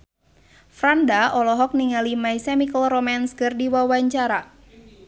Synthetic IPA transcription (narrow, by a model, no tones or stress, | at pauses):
fɾandaʔɔlɔɦɔk̚niŋalimaisɛmikəlrɔmanskərdiwawaɲt͡ʃaɾa